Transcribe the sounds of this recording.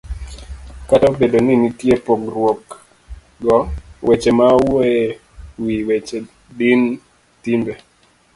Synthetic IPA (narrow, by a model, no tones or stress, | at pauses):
kataobedoninitjepokrwok | ɡɔwʔɛt͡ʃemawoe | wiwɛt͡ʃe | din | timbe